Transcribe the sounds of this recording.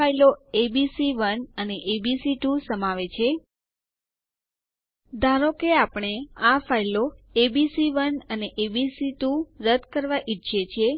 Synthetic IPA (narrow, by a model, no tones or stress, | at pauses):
ailoebisiʋənəneʔebisiʈusəmaʋet͡ʃʰe | d̪ʱaɾokeapɳ̃eafailoebisiʋənəneʔebisiʈuɾəd̪kəɾʋaʔiʃʰet͡ʃʰe